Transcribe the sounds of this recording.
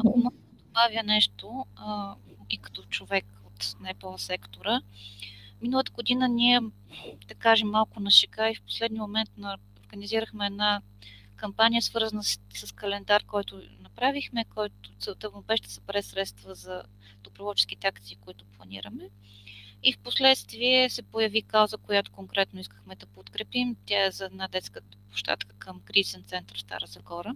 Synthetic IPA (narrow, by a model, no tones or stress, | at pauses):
ɐkomɔɡ̪ | d̪obavjənɛʃt̪o | ikɐ̥t̪ɔt͡ʃovɛk | ot̪nɛpɛlˠsɛkt̪oɾə | minəlˠət̪əɡod̪inəniɛ | d̪ɐkaʒɛmːalˠkʊnɐʃɛkaifpo̥slɛd̪niəmomɛnt̪nɐ | oɾɡəniziɾəxmɛːd̪na | kɐmpanijəsvɤɾzənəssəskɐlɛnd̪aɾkɔjt̪ʊnɐpɾavixmɛkɔjt̪ʊsət̪əvonopɛʃt̪ə̥səbɾɛsɾɛt̪st̪vəzɐ | d̪̥opɾovɔlˠt͡ʃɛsk̟it̪ɛakt̪siːkoit̪ʊ̥plˠɐnḭɾəmɛ | ifposlɛt̪st̪viɛsɛpojəvikawzəkojat̪ʊ̥koŋkɾɛt̪noiskəxmɛd̪ɐpot̪kɾɛpimt̪ʲjaɛzɐɛd̪nad̪ɛt̪skə | po̥ʃt̪a̰t̪kə̥kəmkɾiisənt̪sɛnt̪əɾst̪a̰ɾəzɐxɔɾə